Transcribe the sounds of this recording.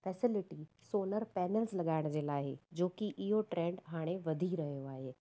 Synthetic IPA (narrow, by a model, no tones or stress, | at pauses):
fɛːsɪlɪʈi | soːnəɾpɛːnəlslɐɠaːɪɽ̃d͡ʑeːlaːɦɪ̰d͡ʑoːkiʔɪɦoʈɾẽːɳɖɦaːɽ̃eʋɐd̪ʱiɾɐɦijoaːɦeː